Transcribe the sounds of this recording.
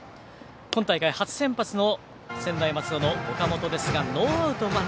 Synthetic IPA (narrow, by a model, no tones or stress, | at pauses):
kont̪aikajihat͡sɨ̥sẽ̞mpat͡sɨno̞ | sẽ̞nd̪aimat͡sɨd̪o̞no̞ɡokamo̞t̪o̞d̪e̞sɨɡanoːaɯ̟t̪oma